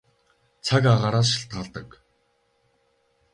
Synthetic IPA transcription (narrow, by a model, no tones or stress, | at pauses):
t͡sʰakaʁaːɾaːʃɪ̥̆ɬt̪̚ɢaɮt̪ə̆k